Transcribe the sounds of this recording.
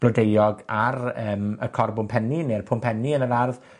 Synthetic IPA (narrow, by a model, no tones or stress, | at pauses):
b̥lɔdejɔɡaɾəːməkʰɔrbʊmpʰɛninerpʰʊmpʰɛniənəɾarð